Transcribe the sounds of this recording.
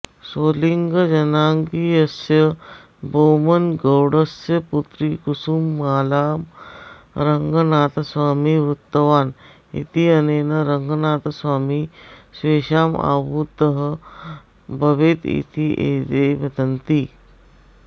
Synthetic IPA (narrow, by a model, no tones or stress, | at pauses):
soːliŋɡəd͡ʑɐnaŋɡijɐsjə | bowmənɡəwɽəsjɐput̪ɾiːkusuːmːaːlaːm | ɾəŋɡənaːt̪sʋaːmiːʋɾut̪ːəʋaːn | ḭt̪iːəneːnəɾəŋɡənaːt̪sʋaːmiːsʋeːɕaːma̰ʋuːt̪əɦə | bʱəʋeːt̪ḭt̪iːʔḛd̪eʋɐd̪ənt̪iː